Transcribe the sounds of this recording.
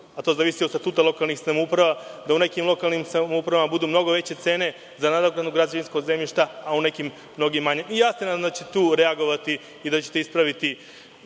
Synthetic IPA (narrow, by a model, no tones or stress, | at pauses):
at̪o̞zaʋisiost̪at̪uːt̪alo̞kalˠnixsamoupɾaʋad̪aune̞kimlˠo̞kalˠnimsamoupɾaʋamabud̪umno̞ɡo̞ʋe̞t͡ɕe̞t̪se̞ːne̞ | zanad̪oɡɾad̪uɡɾad͡ʑaʋinsko̞ɡze̞mʎiʃt̪aaune̞kimːno̞ɡimːaɲemijaːsenad̪amd̪at͡ɕet̪t̪uːɾeaɡo̞ʋat̪iː | d̪at͡ɕet̪e̞ispɾaʋit̪i